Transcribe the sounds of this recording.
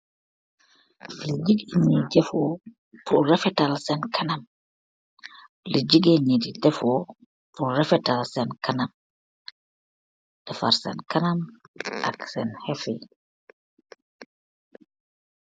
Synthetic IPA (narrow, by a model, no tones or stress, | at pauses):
lid͡ʒiɡɲid͡ʒɛfɔ | pʰuɾɛfɛtalsɛnkʰanam | lid͡ʒiɡeɲididɛfɔ | puɾɛfɛtalsɛnkʰanam | d̥ɛfa̰ɾsɛ̰nkanamʔa̰ksɛnhɛfḭ